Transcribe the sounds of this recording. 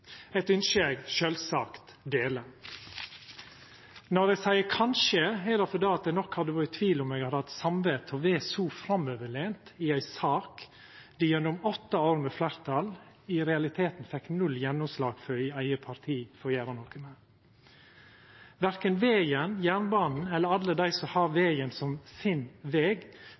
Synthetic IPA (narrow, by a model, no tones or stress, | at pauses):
ɛɪt̪ʏnʃeɡʃølsɑːkt̪ | d̪eːlə | nɔd̪ɛɡsæɪəkʰɑnʃəɛd̪ɛfɔd̪ɑːɑt̪̚d̪ɛɪnɔkhɑd̪əʋɑɾət̪ʰʋiːlʊmeːɡɑd̪hɑt̪sɑmʋet̪ʰɔʋeːsuːfɾɑmøːʋəɭeːnt̪ɪæɪsɑːk | d̪ɪjœnʊmɔt̪ːɑoːɾmɛflæɾt̪ʰɑl | ɪɾɛɑlɪt̪ʰeːt̪n̩fɛkːnʉlːjɛnːʊmslɑːɡ̥fœɾɪæɪəpʰɑɾt̪ʰiːfɔjæːɾɑnoːkəmɛ | ʋæɾkənʋeːɡənjæːnbɑːnn̩ɛlːəɾɑlːəd̪æɪsɔhɑːɾʋeːɡənsɔmsɪnʋeːɡ